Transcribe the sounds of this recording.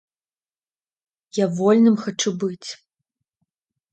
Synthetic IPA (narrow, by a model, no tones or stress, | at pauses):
javɔlʲnɨmxat͡ʂubɨt͡sʲ